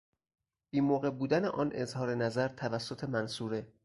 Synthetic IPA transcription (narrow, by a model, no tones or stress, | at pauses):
b̥iːmoːɣe̞buːd̪æneʔɒːnʔezhɒːɾe̞næzæɾt̪ʰævæsːot̪ʰe̞mænsuːɾe